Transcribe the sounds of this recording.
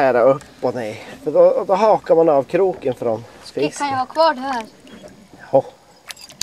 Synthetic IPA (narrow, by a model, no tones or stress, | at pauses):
æːɾaɵpːɔnɛjfœɖɔd̪ɔɦɑːkaɾmanavkʰɾuːkənfɾɔnspɪkʰanjahɑːkʰvɑːɖɦæːɾ | ɔ